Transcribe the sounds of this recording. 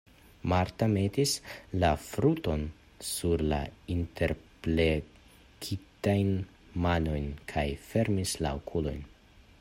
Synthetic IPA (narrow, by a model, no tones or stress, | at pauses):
maɾtame̞tislafɾuto̞n | suɾla̰intʰe̞ɾple | kʰitajn | mano̞jnkʰajfe̞ɾmisla̰okʰulo̞̰jn